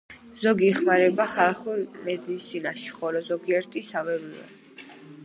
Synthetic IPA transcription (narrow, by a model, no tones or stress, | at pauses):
z̥ɔɡiɛχmaɾɛbaχalˠχumɛd̪iːsinaʃi̥χɔlɔzɔɡiɛɾt̪ʼisavɛvivɛ̰